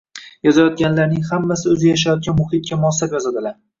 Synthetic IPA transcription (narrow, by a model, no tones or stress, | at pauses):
jɒzajɒt̪̚ɡʲanlaɾnɪŋhamːasɪɵzɪjaʃ̬ajɒt̪̚ɡʲanmʊhɪt̪̚kʲamʊɒsapjɒzad̪ɪlaɾ